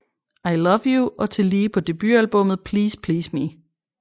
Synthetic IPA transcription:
ɑ̈ɪlʌʋjuʔɒt͡sʰe̝liːpʰɒ̽d̥e̝b̥yælb̥ɔ̽m̰ð̞̩ˠpʰliːspʰliːsmi

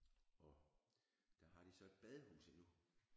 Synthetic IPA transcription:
ɒ̽ | d̥æɦɑ̈ɾ̥isɒ̽e̝d̥̚b̥ɛð̞ˠəhṵːsənu

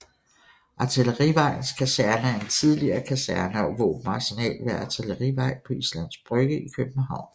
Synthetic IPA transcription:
ʔɑ̈t͡sʰeləʁiʋɑ̈ɪ̰n̩skʰæsæɐnəæɐe̝nt͡sʰið̞ˠliɐːkʰæsæɐnɐɒʋɔ̰ːb̥m̩ɑ̈sinɛ̰ːlʋeɑt͡sʰeləʁiʋɑ̈ɪ̰pʰɒ̽islæn̰sb̥ʁœɡ̥əikʰøb̥̚m̩ɦɑ̈ʊ̰n

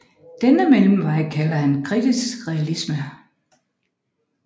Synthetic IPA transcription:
d̥enəmelm̩ʋɑ̈ɪ̰kʰæləhænkʰʁid̥isɡ̥ʁɛælismə

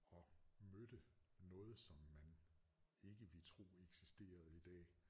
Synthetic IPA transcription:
ɒ̽mød̥ənɔ̽ːð̞̩ˠsɒ̽mːæn | e̝ɡ̥əʋet͡sʰʁo̝̰ːeɡ̥sisd̥e̝̰ːɐð̞̩ˠid̥ɛ̰ː

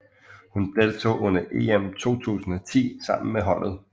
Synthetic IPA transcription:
hund̥e̝lt͡sʰo̝̰ːʔɔ̽n̰ɐʔe̝̰emt͡sʰo̝̰ːt͡sʰṵːsn̩ɒt͡sʰḭːsɑ̈m̰n̩meɦɒ̽n̰ð̞̩ˠ

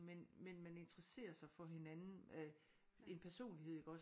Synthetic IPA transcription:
menmenmæne̝nd̥ʁɐse̝̰ːɐsɑ̈ɪfɒ̽ɦe̝nænn̩ | e̝npʰæɐso̝̰ːnlihe̝ð̰ˠeɡ̥ɒ̽s

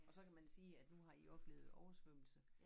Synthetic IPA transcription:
ɒ̽sɒ̽kæmænsiːæd̥nuɦɑ̈iʔɒ̽b̥le̝̰ːð̩ˠɒʊɐsʋøm̰l̩sə

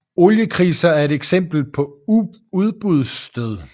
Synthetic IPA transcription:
o̝ljəkʰʁiːsɐæɐe̝d̥eɡ̥sem̰b̥l̩pʰɒ̽u | uð̞ˠb̥ʁuð̞ˠsd̥øð̞ˠ

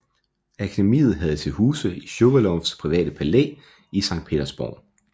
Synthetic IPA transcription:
ækʰæd̥emḭːð̞̩ˠɦæð̞̩ˠt͡sʰe̝lhuːsəiɕoʋ̥ɐlɒspʰʁiʋɛ̰ːd̥əpʰælḛː | isɑ̈ŋd̥̚pʰe̝̰ːd̥ɐsb̥ɒ̰ðˠ

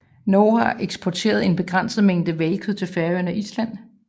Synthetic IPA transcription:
nɔːhɑ̈ʔeɡ̥sb̥ʰɒt͡sʰe̝̰ːɐð̞̩ˠe̝nb̥e̝ɡ̥ʁan̰sð̩ˠmeŋ̰d̥əʋelkʰyðˠt͡sʰe̝lfæɐøɐnæʔislæn̰

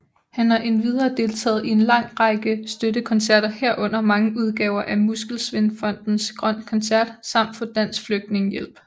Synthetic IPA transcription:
hænhɑ̈ʔe̝nʋið̞ˠɐːd̥e̝lt͡sʰɛ̰ːð̩ˠie̝nlɑ̈ŋ̰ʁɑ̈ɡ̥əsd̥ødəkʰɒ̽nsæɐ̰ɾ̥ɐheɐ̰ʔɔ̽n̰ɐmɑ̈ŋəʔuð̞ˠɡ̥ɛːʊɐʔæmusɡ̥l̩sʋe̝nfɒ̽n̰d̥n̩sɡ̥ʁɶn̰kʰɒ̽nsæɐ̰d̥sɑ̈m̰d̥fɒ̽d̥æn̰sfløɡ̥̚d̥ne̝ŋəjel̰b̥

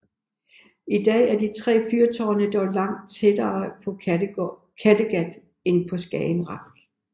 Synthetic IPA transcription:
id̥ɛ̰ːæɐdit͡sʰʁɛ̰ːfyɐt͡sʰɒːnəd̥ɒʊlɑ̈ŋ̰d̥̚t͡sʰed̥ɐːpʰɒ̽ | kʰæd̥əɡ̥æd̥ | e̝npʰɒ̽sɡ̥ɛːɪnʁɑ̈ŋɡ̥

